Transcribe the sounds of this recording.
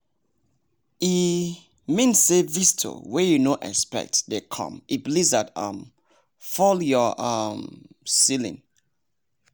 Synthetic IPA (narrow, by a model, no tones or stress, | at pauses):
i | mĩnsevistʰo̰wɛjunoʔɛ̰spɛ̰k̚tdekʰɔ̰̃miblizata̰m | fɔljɔʔamsilḭ̃n